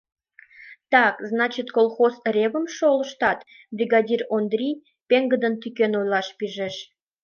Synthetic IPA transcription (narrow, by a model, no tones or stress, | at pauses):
t̪ɑkznɑt͡ɕit̪kolˠxozɾʲeβəmʃoləʃt̪ɑt̪ | brʲiɡɑdʲirond̪rʲij | peŋɡəd̪ənt̪ykenojlɑʃpiʒeʃ